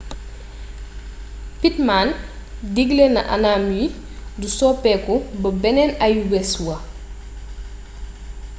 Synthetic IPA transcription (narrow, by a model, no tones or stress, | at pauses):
pitman | diɡlenɐ̰ʔa̰naːmji | dusɔpɛkubɐbɛnɛnɐjubɛswɐ